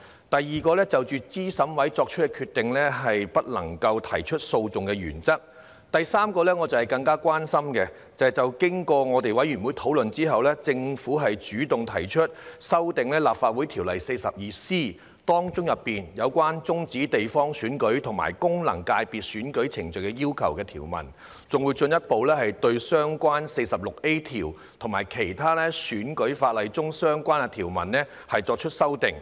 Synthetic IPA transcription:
t̪ɐ˨jːiː˨kɔː˧lɛː˥t͡sɐ˨wt͡ʃyː˨t͡siː˥sɐ˨˥mwɐ˨˥jt͡sɔː˧k̚t͡ʃʰɵ˥t̚kɛ˧kʰyː˧t̪ɪ˨ŋlɛː˥ɦɐ˨jpɐ˥t̚lɐ̰˨˩ŋkɐ˧wt̪ʰɐ˨˩jt͡ʃʰɵ˥t̚so˧wt͡sʊ˨ŋkɛ˧jy̰ː˨˩nt͡sɐ˥k̚ | t̪ɐ˨jsaː˥mkɔː˧lɛː˥ŋɔ˨˧t͡sɐ˨whɐ˨jkɐ˧ŋkaː˥kwaː˥nsɐ˥mkɛ˧ | t͡sɐ˨t͡sɐ˨wkɪ˥ŋkɔː˧ŋɔː˨˧t̪e˨jwɐ˨˥jɥyː˨˩nwuː˨˥jt̪ʰo˨˥wlɵ˨nt͡siː˥ɦɐ˨wlɛː˥t͡sɪ˧ŋfuː˨˥ɦɐ˨jt͡ʃyː˨˥t̪ʊ˨ŋt̪ʰɐ˨˩jt͡ʃʰɵ˥t̚sɐ˥wt̪ɪ˨ŋlɛː˥laː˨pfaː˧t̚wuː˨˥jt̪ʰi˨˩wlɐ̰˨˩jse˧jsɐ˨p̚jiː˨siː˥ | t̪ɔː˥ŋt͡sʊ˥ŋjɐ˨pːiː˨njɐ˨˧wkʷaː˥nt͡sʊ˥ŋt͡siː˨˥t̪e˨jfɔː˥ŋsyː˨˥nkɵ˨˥ɥt̪ʰʊ˨˩ŋma̰ː˨˩jkʊ˥ŋlɐ̰˨˩ŋkaː˧jpiː˨t̚syː˨˥nkɵ˨˥ɥt͡sʰɪ˨˩ŋt͡sɵ˨kɛː˧jiː˥wkʰɐ˨˩wkɛː˧t̪ʰiː˨˩wmɐ̰˨˩n | t͡sʊ˨ŋwu˨˧jt͡sɵ˧njɐ˥t̚po˨˧wlɛː˥ɦɐ˨jt̪ɵ˧ɥsœː˥ŋkʷaː˥nse˧jsɐ˨p̚lʊ˨k̚e˥jt̪ʰiː˨˩w | t̪ʰʊ˨˩ŋmaː˨˩jkʰe˨˩jt̪ʰaː˥lɛː˥syː˨˥nkɵ˨˥ɥfaː˧t̚lɐ˨˧jt͡sʊ˥ŋsœː˥ŋkʷaː˥nɛ˧t̪ʰiː˨˩wmɐ̰˨˩nlɛː˥ | hɐ˨jt͡sɔː˧k̚t͡ʃʰɵ˥t̚sɐ˥wt̪ɪ˨ŋ

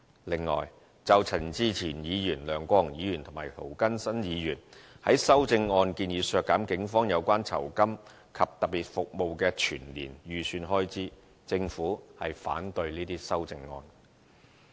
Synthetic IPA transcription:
lɪ˨˩ŋːɔ̰ː˨˩j | t͡sɐ˨wt͡sʰɐ˨˩nt͡siː˧˥t͡sʰiː˨˩njiː˨˧jyː˨˩nlœː˨ŋkʷɔː˧ɐ˨˩ŋjiː˨˧jyː˨˩nt̪ʰʊ˨˩ŋmaː˨˩jt̪ʰo˨˩wkɐ˥nsɐ˥njiː˨˧jyː˨˩n | hɐ̰˨˥jsɐ˥wt͡sɪ˧ŋːɔː˧nkiː˧njiː˨˥sœː˧kːaː˨˥mkɪ˨˥ŋfɔː˥ŋjɐ˨˧wkʷwaː˥nt͡sʰɐ̰˨˩wkɐ˥m | kʰɐ˨p̚t̪ɐ˨k̚piː˨t̚fʊ˨k̚mo˨˧wkɛː˧t͡ʃʰyː˨˩nlḭː˨˩njyː˨˩syː˧nɦɔː˥jt͡siː˨˥ | t͡sɪ˧ŋfuː˨˥hɐ˨jfa̰ː˨˥nt̪ɵ˧ɥniː˥t̪iː˥sɐ˥wt͡sɪ˧ŋːɔ̰ː˧n

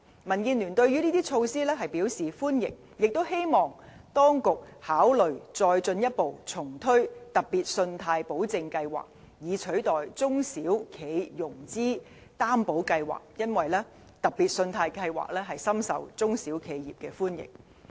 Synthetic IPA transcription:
mɐ˨˩nkiː˧nlyː˨˩nt̪ɵ˧ɥy˥niː˥t̪iː˥t͡ʃʰo˧wsiː˥lɛː˥ɦɐ˨jpiː˨˥wsiː˨˩fuː˥njɪ̰˨k̚ | jɪ˨k̚t̪o˥whe˥jmɔː˨˩ŋt̪ɔː˥ŋkʊ˨k̚haː˨˥wlɵ˨˩ɥt͡sɔː˧jt͡sɵ˧njɐ˥t̚po˨wt͡sʰʊ˨˩ŋt̪ʰɵ˥ɥt̪ɐ˨˩k̚piː˨˩t̚sɵ˧nt̪ʰaː˧jpo˨˥wt͡sɪ˧ŋkɐ˧jwa̰ː˨˩k̚ | jiː˨˧t͡ʃʰɵ˨˥ɥt̪ɔː˨jt͡sʊ˥ŋsiː˨˥wkʰe˨˧jjʊ˨˩ŋt͡siː˥ | t̪aː˥mpo˨˥wkɐ˧jwa̰ː˨˩k̚jɐ˥nwɐ˨jlɛː˥ | t̪ɐ˨˩k̚piː˨t̚sɵ˧nt̪ʰaː˧jkɐ˧jwa̰ː˨k̚lɛː˥ɦɐ˨jsɐ˥msɐ̰˨˩wt͡sʊ˥ŋsiː˨˥wkʰe˨˧jjiː˨p̚kɛː˧fuː˥njɪ̰˨k̚

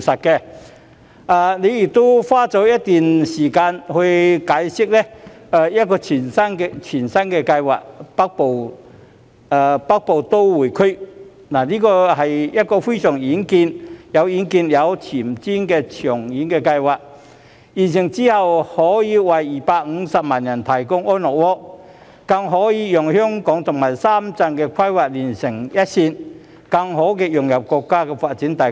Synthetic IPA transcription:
i˨˩sɐ˨t̚kɛ˧ | aː˨ne˨˧jjɪ˨˩k̚t̪o˥wfaː˥t͡sɔː˨˥wjɐ˥t̚t̪yː˨nsiː˨˩kaː˧nhɵ˧ɥkaː˨˥jsɪ˥k̚lɛ˥aː˨˧jɐ˥t̚kɔː˧t͡sʰiː˨˩nsɐ˥nkɛ˧t͡sʰiː˨˩nsɐ˥nkɛ˧kɐ˧jwa̰ː˨k̚pɐ˥k̚po˨w | a˨˧pɐ˥k̚po˨wt̪o˥wwuː˨˩jkʰɵ˥ɥ | naː˨˩niː˥kɔː˧hɐ˨jjɐ˥t̚kɔː˧fe˥jsœː˨˩ŋjiː˨˥nkiː˧njɐ˨˧wjiː˨˥nkiː˧njɐ˨˧wt͡sʰiː˨˩mt͡siː˥nkɛː˧t͡sʰœː˨˩ŋjiː˨˥nkɛː˧kɐ˧jwaː˨˩k̚ | jiː˨˩nsɪ˨˩ŋt͡siː˥hɐ˨whɔː˨˥jiː˨˧wɐ˨˩jːiː˨˩paː˧k̚ŋ̩˨˧sɐ˨p̚maː˨˩njɐ˨˩nt̪ʰɐ˨˩jkʊ˥ŋɔː˥nnɔː˨k̚wɔː˥k̚ | kɐ˧ŋɦɔː˨˥jiː˧jʊ˨˩ŋhœː˥ŋkɔː˨˥ŋt̪ʰʊ˨˩ŋmaː˨˩jsaː˥mt͡sɐ˧nkɛː˧kʷʰɐ˥jwaː˨k̚liː˨˩nsɪ˨˩ŋjɐ˥t̚siː˧n | kɐ˧ŋɦo˨˥wkɛː˧jʊ˨ŋjɐ˨p̚kɔː˧kːaː˥kɛː˧faː˧t̚t͡siː˨˥nt̪ɐ˨˩

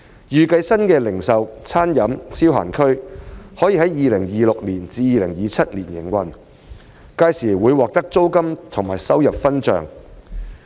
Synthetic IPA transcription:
jyː˨kɐ˧jsɐ˥nkɛː˧lɪ˨˩ŋsɐ˨wt͡sʰaː˥njɐ˨˥msiː˥wɦa̰ː˨˩nkʰɵ˥ɥhɔː˨˥jiː˧ɦɐ˨˥jjiː˨˧lɪ˨˩ŋjiː˨˧lʊ˨k̚liː˨˩nt͡siː˨˧jiː˨˧lɪ˨˩ŋjiː˨˧t͡sʰɐ˥t̚liː˨˩njɪ̰˨˩ŋwɐ˨˩n | kaː˧jsiː˨˩wuː˨˧jwɔː˨k̚t̪ɐ˥k̚t͡so˥wkɐ˥mt̪ʰʊ˨˩ŋma̰ː˨˩jsɐ˥wjɐ˨p̚fɐ˥nt͡ʃœ̰ː˨˩ŋ

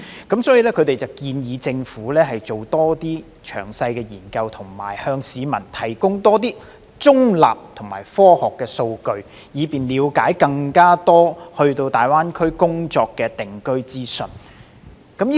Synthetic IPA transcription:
kɐ˨˥msɔː˨˥ji˨˧lɛː˥kʰɵ˨˧ɥt̪e˨jt͡sɐ˨˩wkiː˧njiː˨˧t͡sɪ˧ŋfuː˨˥lɛː˥ɦɐ˨jt͡ʃo˨wt̪ɔː˥t̪iː˥ | t͡ʃʰœ̰ː˨˩ŋsɐ˧jkɛː˧jiː˨˩nkɐ˧wt̪ʰʊ˨˩ŋma̰ː˨˩jhœː˧ŋsiː˨˧mɐ˨˩nt̪ʰɐ˨˩jkʊ˥ŋt̪ɔː˥t̪̬iː˥ | t͡sʊ˥ŋla̰ː˨p̚t̪ʰʊ˨˩ŋma̰ː˨˩jfɔː˥hɔː˨kːɛː˧so˧wkɵ˧ɥ | jiː˨˧piː˨nliː˨˧wkaː˨˥jkɐ˧ŋkaː˥t̪ɔː˥hɵ˧ɥt̪o˧wt̪aː˨˩jwaː˥nkʰɵ˥ɥkʊ˥ŋt͡sɔː˧kːɛː˧t̪ɪ˨ŋkɵ˥ɥt͡siː˥sɵ˨n | kɐ˨˥mji˥

